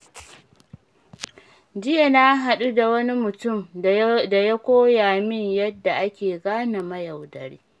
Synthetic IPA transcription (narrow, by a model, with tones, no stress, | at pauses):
d͡ʒɪ˦ja˨na˦ɦa˨ɗu˦da˨wɐ˦ni˦mʊ˨tʊ˦˨mda˨ja˦kʷoː˦jaː˨mɪ˦ɲjɐ˦dːa˨ʔa˦kʲeː˨ɡaː˦na˨mɐ˦ja˨wdɐ˨ɾḭː˦